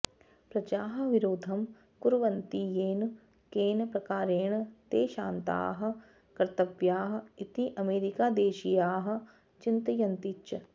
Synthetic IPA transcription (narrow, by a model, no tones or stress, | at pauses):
pɾɐd͡ʒaːɦɐʋɪɾoːd̪ʱɐm | kuɾʋɐnt̪ijeːn | keːnpɾɐkaːɾeːɳt̪eːʃaːnt̪a̰ːɦɐ̆ | kɐɾt̪ɐʋjaːɦɐ̆ɪt̪iʔɐmeːɾikaːd̪eːʃijaːɦɐ̆ | t͡ʃɪnt̪ɐjɐnt̪it͡ʃɐ